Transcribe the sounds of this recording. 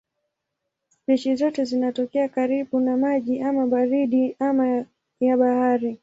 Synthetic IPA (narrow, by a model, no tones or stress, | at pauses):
pɛt͡ʃizɔtɛzinatɔkɛakaɾiɓunamaʄiʔamaɓaɾiɗiama | jaɓahaɾi